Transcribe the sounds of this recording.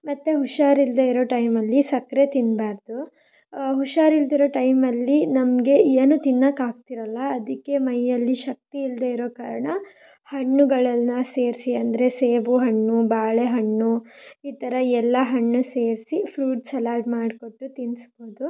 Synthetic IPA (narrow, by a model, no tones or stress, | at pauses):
mɐt̪ːeɦuʃaːɾild̪eiɾo̞ːʈɐjmɐlːisɐkɾe̞t̪inbaːɾd̪u | ɦuʂaːɾild̪iɾo̞ːʈɐjmɐlːinɐmɡe̞eːnut̪inːɐkaːɡ̚t̪iɾɐlːɐːd̪ikːe̞mɐjːɐlːiʃɐk̚t̪iːld̪eiɾo̞ːkaːɾɐɳɐ | hɐɳːuɡɐɭɐlnɐse̞ːɾsiɐnd̪ɐɾe̞seːbuɦɐɳːubaːɭeɦɐɳːuiːt̪ɐɾɐɛlːɐɦɐɳːuseːɾsipʰɾuːʈsɐlaːɾʈmaːɖko̞ʈːut̪insboːd̪u